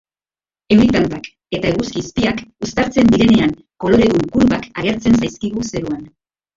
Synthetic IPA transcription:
e̞wɾit̪ant̪ak | e̞t̪aeɣuskiːspiakust̪aɾt͡se̞nd̪iɾe̞ne̞aŋ | ko̞lo̞ɾe̞ðuŋkuɾβakaɣ̞e̞ɾt͡se̞nsajskiɣ̞use̞ɾuan

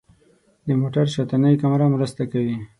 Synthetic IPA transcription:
d̪əmoʈaɾʃat̪anəjkamɾamɾəst̪akawi

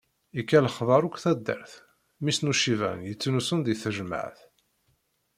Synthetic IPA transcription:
ikːæləχðˤɑɾˤukʷθæd̪ːə̰ɾθ | misnuʃivæ̰njət͡sːnusənd̪iθəʒmə̰ʕθ

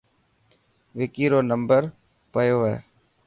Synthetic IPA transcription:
ʋɪkiːɾoːnəmbəɾ | pəjoːɦɛ̰ː

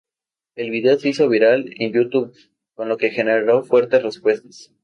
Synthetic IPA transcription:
e̞lβiðe̞oseiso̞βiɾalenjut̪uβ | ko̞nlo̞ke̞xe̞neɾo̞fwe̞ɾt̪e̞srespwe̞st̪ḁs

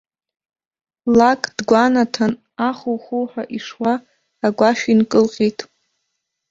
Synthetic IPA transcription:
lakʼd̥ɡʷanatʰan | aχuwχulħʷᶣaʔiʂwaː | ɡʷaʃᶣinkʼɨlqʲʼijtʼ

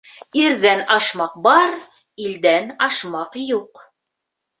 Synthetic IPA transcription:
iɾðænɑʃmɑq̚bɑɾ | ild̪ænɑʃmɑqjuq

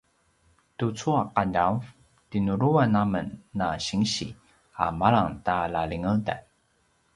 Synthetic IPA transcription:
tut͡suaqanaw | tinuɾuanamənːaɕiŋɕḭ | a̰maɭaŋtalaliŋəlda̰j

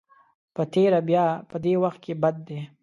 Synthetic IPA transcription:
pət̪eːɾabjaːpəd̪eːwɐxt̪̚kebɐd̪ːe

